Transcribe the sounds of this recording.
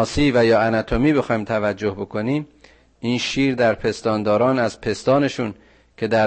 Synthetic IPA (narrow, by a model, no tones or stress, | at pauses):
ɒːsiːvæjɒːænæt̪ʰo̞miːbe̞xɒːjimt̪ʰævæd͡ʒːo̞hbo̞kʰo̞niːm | iːnʃiːɾd̪æɾpʰe̞st̪ɒːnd̪ɒːɾɒːnæzpʰe̞st̪ɒːne̞ʃun | cʰe̞d̪æ